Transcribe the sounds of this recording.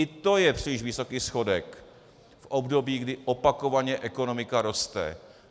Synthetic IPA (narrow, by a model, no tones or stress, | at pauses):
ɪt̪o̞jɛpr̝̥ɪlɪʃvɪso̞kiːsxo̞dɛk | fʔobdo̞biːɡdɪʔopako̞vaɲɛʔɛko̞no̞mɪkaɾo̞st̪ɛ̰